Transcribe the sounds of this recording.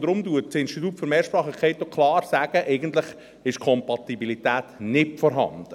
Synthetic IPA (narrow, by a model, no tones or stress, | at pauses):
d̥̪ɾʊmduətsɪnʃtit̪̬uːtfʏɾmɛːɾʃpɾɑːχəkʰeɪt̪ːokʰlɑːɾsæːɡ̥əʔɛɪɡənt̪lɪχ | ɪʃkʰɔmpɑt̪ibilitæːtnɪtfɔɾɦɑ̰nd̥ə